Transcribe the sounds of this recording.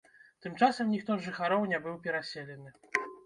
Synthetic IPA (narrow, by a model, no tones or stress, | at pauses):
t̪ɨmt͡ʂasɐmnʲixt̪ɔʐɨxaɾɔwnʲɛbɨwpʲɛɾasʲelʲɛnɨ